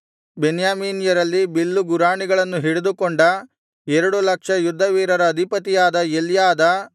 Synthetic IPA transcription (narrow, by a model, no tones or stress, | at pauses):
benjaːmiːnjɐɾɐlːibilːuɡuɾaːɳiɡɐɭɐnːuɦiɽed̪ukoɳɖɐ | ɛɾɐɽulɐkʂɐjud̪ʱːɐʋiːɾɐɾɐːd̪ʱipɐt̪ijaːd̪ɐeljaːd̪ɐ